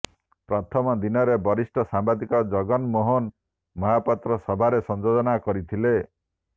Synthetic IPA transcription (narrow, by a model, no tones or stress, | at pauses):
pɾat̪ʰɔmɔd̪inɔɾebɔɾisʈɔsambad̪ikɔd͡ʒɔɡɔnmɔɦɔn | mɔɦapɔt̪ɾɔsɔbʱaɾesɔnd͡ʒod̪ɔnakɔɾit̪ʰile